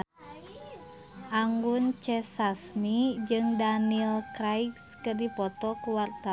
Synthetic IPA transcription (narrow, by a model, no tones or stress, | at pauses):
ʔaŋɡunt͡ʃɛsasmid͡ʒɨŋdanilkɾajkskərdipɔt̪ɔkuwart̪a